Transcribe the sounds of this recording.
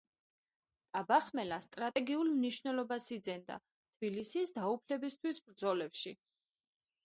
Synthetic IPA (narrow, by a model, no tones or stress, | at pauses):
t̪ʼabaχmɛlast̪ʼɾat̪ʼɛɡiulmniʃvnɛlɔbasid̪zɛnd̪a̰ | t̪ʰbilisisd̪aupʰlɛbist̪ʰwisbɾd̪zɔlɛpʃi